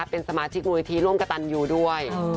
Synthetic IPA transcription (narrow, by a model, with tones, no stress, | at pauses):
a˧˦˩pe˧nsa˧maː˧t͡ɕʰi˦˥k̚muː˧li˧t̪ʰiː˧ɾu˥˩ə˨mka˧t̪a˧njuː˨˩du˥˩əj